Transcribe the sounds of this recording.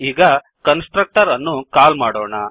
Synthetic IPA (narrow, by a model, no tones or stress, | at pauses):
iːɡɐ | kɐnsʈɾɐk̚ʈɐɾɐnːukaːlmaːɽoːɳɐ